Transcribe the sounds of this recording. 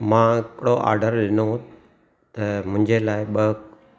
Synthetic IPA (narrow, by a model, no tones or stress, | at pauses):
mãːɪkɪɽoʔa̰ːɾɖəɾɗɪno | t̪ɐmʊ̃ɪ̃ɲd͡ʑelaːɪɓə